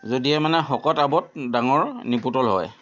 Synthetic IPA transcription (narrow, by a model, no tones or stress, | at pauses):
zodiɛmanɛxɔkɔtabɔt̚daŋɔɹnip̬utɔlɦɔ̰j